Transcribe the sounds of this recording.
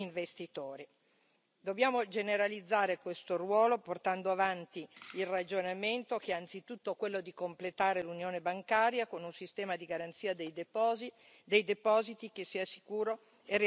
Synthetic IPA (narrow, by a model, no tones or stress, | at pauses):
iɱvest̪it̪oːɾi | d̪objaːmod͡ʒeneɾalid̪zːaːɾekwest̪orwɔːloport̪and̪oavant̪iːlrad͡ʒonament̪okeant̪sit̪ut̪ːokwelːod̪ikomplet̪aːɾelunjoːnebaŋkaːɾjakonunsist̪ɛːmad̪iɡaɾant̪siːad̪ejd̪e | d̪ejd̪epɔːzit̪ikesːiasi̥kuːɾo | er